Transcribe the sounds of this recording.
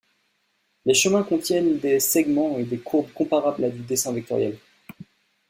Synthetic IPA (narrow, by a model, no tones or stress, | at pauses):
leʃəmɛ̃kɔ̃t̪jɛnd̪esɛɡmɑ̃ed̪ekʰuʁbkɔ̃paʁablad̪yd̪esɛ̃vɛk̚t̪ɔ̰ʁja̰l